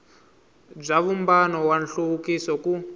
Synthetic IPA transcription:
b͡ʐaβumbanɔwanɬoukisɔku

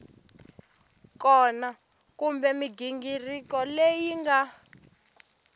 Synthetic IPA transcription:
kɔna | kumbɛmiɡiŋɡirikɔlejiŋɡa

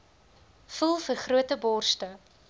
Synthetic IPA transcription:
fulˠfərχruətəbɔrstə

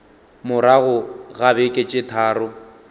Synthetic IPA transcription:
mʊɾaɣʊɣabɛkʼet͡ʃʼɪtʰaːrʊ

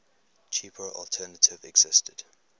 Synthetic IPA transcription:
t͡ʃʰipʰəʔɔ̰lˠtʰɛːnətʰɪvɛɡz̥ɪstəd̥

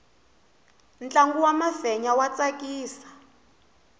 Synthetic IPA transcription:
nt͡ɬʼaŋɡuwamavɛɲawat͡sʼakʼiːsḁ

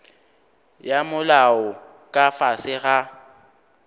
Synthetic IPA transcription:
jamʊlaɔ | kʼafasɪɣa

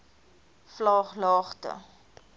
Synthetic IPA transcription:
flɑːχlɑːχtə̰

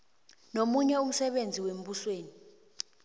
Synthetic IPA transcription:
nomuɲɛum̩sɛɓend͡zʱiwem̩ɓusweːni

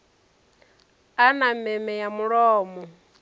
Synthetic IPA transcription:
anamɛmɛjamuɺɔːmɔ

